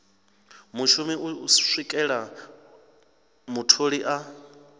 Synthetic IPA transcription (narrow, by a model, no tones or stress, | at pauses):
muʃumiuʂikʼɛɺa | mutʰoɺiʔa